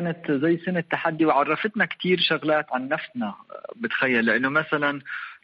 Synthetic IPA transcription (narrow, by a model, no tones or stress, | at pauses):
anat̪zajːsɪnat̪ːaħad̪ːiwʕɑrˤːɑfɪt̪nakt̪iːɾʃʊɣlaːt̪ʕanːafsnabɪt̪xajːalːɪʔɪnːʊmasalan